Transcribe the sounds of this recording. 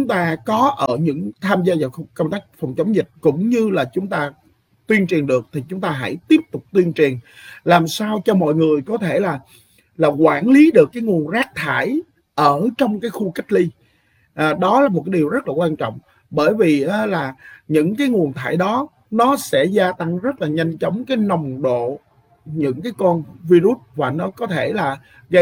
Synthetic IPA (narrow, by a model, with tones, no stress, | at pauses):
t͡ɕʊ˨˦ŋ͡mt̪aː˧kɔ˨˦ʔəː˧˩ɲɨ̰˧˥ŋt̪ʰaː˧mzaː˧vaː˨˩xkə˧wŋ͡mt̪aː˦˥k̟̚fɔ˨˩wŋ͡mt͡ɕə˨˦wŋ͡mzï˨˩t̟̚kʊ̰˧˥ŋ͡mɲɨ˧laː˨˩t͡ɕʊ˨˦ŋ͡mt̪aː˧ | t̪wi˧ənt͡ɕi˨˩ənɗɨ˨˩ək̚t̪ʰi˨˩t͡ɕʊ˨˦ŋ͡mt̪aː˧ɦa̰˧˥jt̪i˦˥əp̚t̪ʊ˨˩k͡p̚t̪wi˧ənt͡ɕi˨˩ənlaː˨˩msaː˧wt͡ɕɔ˧mɔ̰˧˨jŋɨ˨˩əjkɔ˨˦t̪ʰe˧˩laː˨˩ | laː˨˩kwaː˧˩nli˨˦ɗɨ˨˩əkːaː˨˦jŋu˨˩ənzaː˦˥k̚t̪ʰaː˧˩˨j | ʔəː˧˩t͡ɕɔ˧wŋ͡mkaː˨˦jxu˧ka˦˥k̟̚li˧ | ʔɗɔ˨˦laː˨˩mo˨˩a˨˦ɗi˨˩wzə˦˥t̚laː˨˩kwaː˧nt͡ɕɔ̰˧˨wŋ͡m | ɓəː˧˩jvi˨˩ʔaː˨˦laː˨˩ɲɨ̰˧˥ŋkaː˨˦jŋu˨˩ənt̪ʰa̰ː˧˩jɗɔ˨˦ | nɔ˨˦sɛ̰˧˥zaː˧t̪a˧ŋzə˦˥t̚laː˨˩ɲa˧jŋ̟t͡ɕɔ˨˦wŋ͡mkaː˨˦jnɔ˨˩wŋ͡mɗo̰˧˨ | ɲɨ̰˧˥ŋkaː˨˦jkɔ˧nvi˧zu˦˥t̚vaː˨˩nɔ˨˦kɔ˨˦t̪ʰe˧˩laː˨˩ | ɣə˧